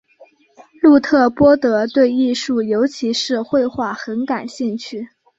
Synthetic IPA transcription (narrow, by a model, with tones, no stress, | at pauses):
lu˥˧t̪ʰɤ˥˩pwɔ˥t̪ɤ˧˥t̪we˥˧ɪi˥˧ʂu˥˩jo˧˥ʊt͡ɕʰi˧˥ʂɻ̩˥˧xwe˥˧ɪxwa˥˩xə˧˥nka˨˩nɕi˥˧ŋt͡ɕʰy˥˩